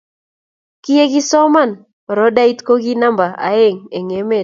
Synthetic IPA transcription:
ki˦e˦ɡi˦sɔ˦ma˦˨n˨ | ɾɔ˦da˦i˦t̪ko˦ɡi˦na˦mba˨ʔa̰˨˦e˦˨ŋe˨ŋe˨˦me˦˨

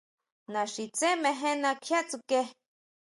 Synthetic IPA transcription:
nã˨ʃi˨t͡se˦mẽ˧ɦẽ˦nã˧kʰja˦ʔt͡su˧ke˦

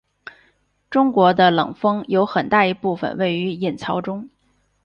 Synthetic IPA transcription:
ʈ͡ʂʊ˥ŋkwɔ˧˥d̪ə˧lɤ̰˨˩ŋfɤ˥ŋjo˧˥ʊxə˨˩nt̪a˥˩i˧˥pu˥˩fə̰˨˩nwe˥˩ɪy˧˥ɛ˥˩nt͡sʰɑ˧˥ʊʈ͡ʂʊ˥ŋ

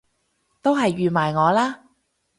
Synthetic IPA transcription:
t̪o˥wɦɐ˨jːyː˨maː˨˩jŋɔː˨˧laː˥

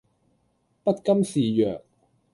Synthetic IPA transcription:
pɐ˥t̚kɐ˥msiː˨jœ̰ː˨k̚

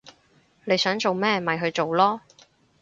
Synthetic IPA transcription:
nle˨˧jsœː˨˥ŋt͡so˨wmɛː˥mɐ˨˩jɦɵ˧ɥt͡so˨wlɔː˥

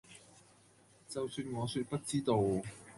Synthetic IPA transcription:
t͡sɐ˨˩wsyː˧nŋɔː˨˧syː˧t̚pɐ˥t̚t͡siː˥t̪o˨˧w

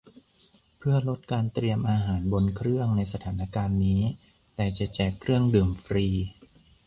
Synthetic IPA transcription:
pʰɯ˥˩ɐlo˦˥t̪̚kaː˧nt̪ɾi˧əmʔaː˧ɦaː˩˦nbo˧nkʰɾɯ˥˩əŋna˧jsa˧t̪ʰaː˩˦na˧˥˩kaː˧nːiː˦˥ | t̪ɛː˨˩t͡ɕa˨˩t͡ɕɛː˨˩kʰːɾɯ˥˩əŋdɯː˨˩mfɾiː˧

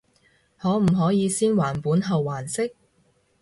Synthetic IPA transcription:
hɔː˨˥m̩˨˩ɦɔː˨˥jiː˨˧siː˥nwaː˨˩npuː˨˥nɦɐ˨wːaː˨˩nsɪ˥k̚

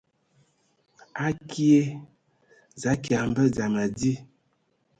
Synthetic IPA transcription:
a˦ki˦e˦ | za˨˦ki˨a˨m˦bə˦za˨ma˨di˦

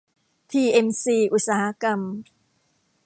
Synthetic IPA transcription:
t̪ʰiː˧ʔe˧msiː˧˩ʔu˧t̪̚saː˧ha˦˥ka˧m

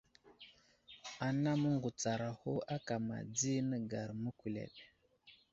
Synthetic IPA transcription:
a˨na˦mə˦ŋɡu˨t͡sa˨ɾa˨ho˦a˦ka˨ma̰˨d͡zi˦nə˦ɡa˨ɾmə˦ku˨lḛ˨ɗ

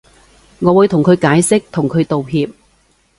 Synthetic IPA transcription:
ŋɔː˨˧wuː˨˧jt̪ʰʊ˨˩ŋkʰɵ˨˧ɥkaː˨˥jsɪ˥k̚t̪ʰʊ˨˩ŋkʰɵ˨˧ɥt̪o˨wɦiː˧p̚

